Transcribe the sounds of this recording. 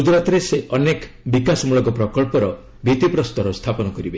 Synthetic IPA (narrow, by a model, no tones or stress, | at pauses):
ud͡ʒɾat̪ɾeseʔɔnek | bikasɔmuɭɔɡɔpɾɔkɔɭpɔɾɔ | bit̪ipɾɔst̪ɔɾɔst̪ʰapɔnɔkɔɾibe